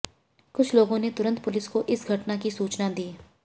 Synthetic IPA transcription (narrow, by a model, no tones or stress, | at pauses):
kʊt͡ʃʰloːɡõnet̪ʊɾə̃nt̪̚pʊlɪskoʔɪsɡʱɐʈnakisuːt͡ʃnad̪iː